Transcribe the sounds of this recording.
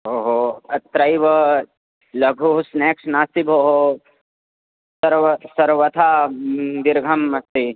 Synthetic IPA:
ɦoːɦoɐt̪ɾɐjʋə | lɐɡʱuɦsneːksnaːsibɦoːɦo | sɐɾʋsɐɾʋɐt̪ʰa | d̪iɾɡʱɐmɐst̪i

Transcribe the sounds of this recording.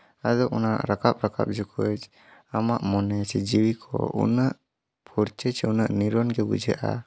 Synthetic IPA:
ad̪ɔʔunaʔɾakap̚ɾaka̰p̚d͡ʒukud͡ʒ | amaʔmɔnɛsɛd͡ʒiwikʰɔ̰ṵnəʔ | puɾt͡ʃət͡ʃɛunəʔniɾɔnɡɛbud͡ʒɛʔa̰

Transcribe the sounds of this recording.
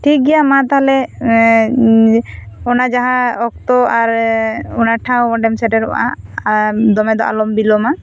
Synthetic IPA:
ʈʰik̚ɡɛjamat̪aɦalɛ | ɔnad͡ʒaɦãɔk̚t̪ɔaɾɔnaʈʰawɔɖɛmsɛʈɛɾɔʔa̰ | d̪ɔmɛd̪ɔʔa̰lɔmbilɔma

